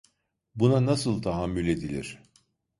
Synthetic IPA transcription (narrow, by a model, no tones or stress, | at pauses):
bunanasɯlˠt̪ʰaɦamːylʲe̞d̪ilʲḭɾ̝̥